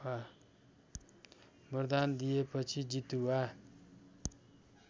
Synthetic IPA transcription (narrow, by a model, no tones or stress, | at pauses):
wa | bʌrd̪and̪ijepʌt͡sʰid͡zit̪uwa